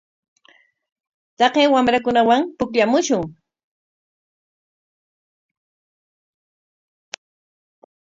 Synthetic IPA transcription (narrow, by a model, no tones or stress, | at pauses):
t̪ɑqeːwamɾakʊnawaŋpʊkʎamʊʃʊŋ